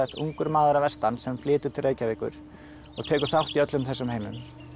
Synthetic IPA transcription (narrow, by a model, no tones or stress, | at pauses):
ɛht̪ṵŋkʏɾmaːðʏɾavɛst̪ansɛmflɪːt̪ʏ̥t̪ʰɪlreːjcavɪːkʏ̰ɾ̥ | ɔ̰ɣt̪ʰɛːkʏ̥θawht̪iœt̪lʏmθɛsːʏmhejmʏ̰m